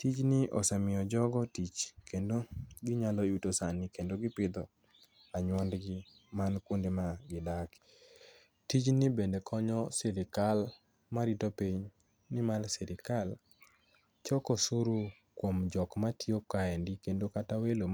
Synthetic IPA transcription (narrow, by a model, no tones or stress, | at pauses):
tit͡ʃnɪʔɔ̰samɪɔd͡ʒɔɡɔtit͡ʃkendoɡɪɲalɔjutosanɪkendoɡɪpɪd̪ɔ | aɲwɔndɡɪ | mankondemaɡɪdak | tit͡ʃnɪbendekʰɔɲɔsɛɾikal | maɾitɔpiɲ | nɪmalsɛɾɪkal | t͡ʃɔkɔsuɾu | kwomd͡ʒɔkmatiokːaɛndikendokatawelo